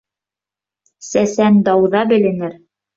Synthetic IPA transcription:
sæsænd̪ɑwðɑbɘ̆lɘ̆nɘɾ

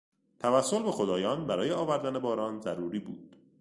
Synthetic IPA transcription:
t̪ʰævæsːo̞lbe̞xo̞d̪ɒːjɒːnbæɾɒːjeɒːvæɾd̪æne̞bɒːɾɒːnzæɾuːɾiːbṵːd̪̥

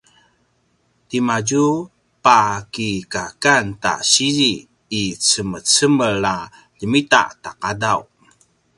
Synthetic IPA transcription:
timad͡ʒu | pakikakanta̰ɕiɾiː | t͡səmət͡səməɭa | ʎəmita̰ʔtaqadaw

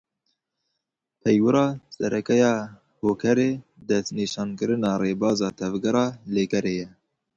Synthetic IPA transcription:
pʰɛjwɨɾɑːsɛɾʔɛkɛjɑː | hoːkʰɛɾeː | d̪ɛst̪niːʃɑːnkɨɾɨnɑːreːbɑːzɑːt̪ʰɛvɡɛɾɑːleːkɛɾeːjɛ

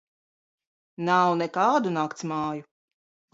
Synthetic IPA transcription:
nawnɛkaːd̪unaːkt̪smaːju

